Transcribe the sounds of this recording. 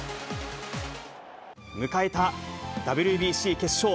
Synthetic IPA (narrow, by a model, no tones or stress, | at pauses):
mɯ̟kaet̪ad̪abɯ̟ɾʲɯbʲiːɕiːke̞ɕoː